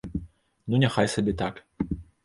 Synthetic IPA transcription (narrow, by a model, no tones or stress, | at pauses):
nunʲaxajsabʲɛt̪ak